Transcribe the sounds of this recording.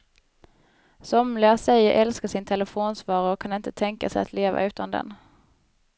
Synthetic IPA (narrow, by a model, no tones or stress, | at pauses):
sɔmlæsɛjːəɾʔɛlskaʂɪnt̪ʰɛləfoːnsvɑːɾəɾɔkʰːanɪnt̪ʰət̪ʰɛŋka̰sɛja̰t̪ʰleːva̰ʉ̟ːt̪and̪ɛ̰n